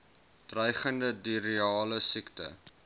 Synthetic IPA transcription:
d̥rœjχəndədiɾiɑːləsiktə̰

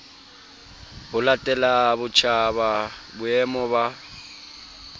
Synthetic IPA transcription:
hʊlatʼɛlabʊt͡ʃʰaβabʊɛmɔba

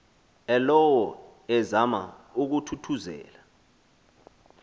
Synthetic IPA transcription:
ɛlɔwɔ | ɛzama̰uk̬utʰutʰuzɛ̰ːla

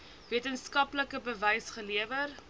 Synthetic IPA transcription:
viətənskɐpləkəbəvɛjsχəliəvər

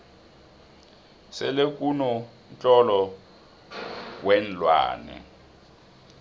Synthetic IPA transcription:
sɛlekʼunɔ | nt͡ɬʼɔlɔ | wɛn̩lwa̰ːnɛ̰

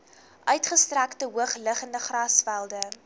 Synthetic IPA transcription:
ʔœɥtχəstræktəɦuəχləχəndəχrɑsfælˠdə

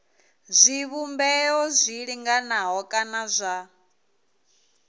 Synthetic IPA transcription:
zʷiβumbɛɔzʷiɺiŋɡanaɦɔkʼanazʷa

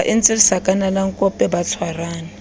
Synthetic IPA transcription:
ʔint͡sʼilisakʼanalaŋkʼɔpʼɛbat͡sʰwaraːna

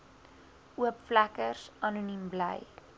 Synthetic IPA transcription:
uəpflækərsɐnunimblə̰j

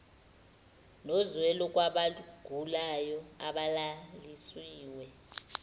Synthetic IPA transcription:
nɔzwɛlɔk̬ʼwaɓaɡ̥ʱulajɔaɓalalisiːwɛ

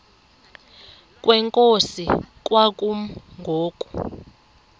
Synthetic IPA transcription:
kʼwʔɛŋkʼosik̬ʼwakʼuŋɡʱoːkʼu̥

